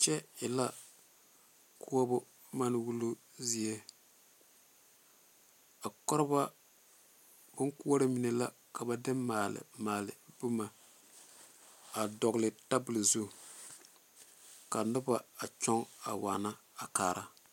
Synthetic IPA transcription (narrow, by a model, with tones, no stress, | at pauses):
t͡ʃɛ˦ɪ˨la˦ | ku˦o˦bʊ˦ | ma˦n˦wu˦lu˦ | zi˦e˦ | a˨kɔ˦ɾɪ˦ba˦ | bʊ˦ŋku˦a˦ɾɪ˦mi˨ne˨la˦ | ka˨ba˨dɪ˦maː˨lɪ̰˨maː˨lɪ̰˨bʊ˦ma˨ | a˨dɔ˨ɡlɪ˨ta˦bʊ˨lzu˦ | ka˨nʊ˦ba˨a˨t͡ʃɔ˦ŋa̰˨wa̰˨na˦ | a˨kaː˨ɾa˦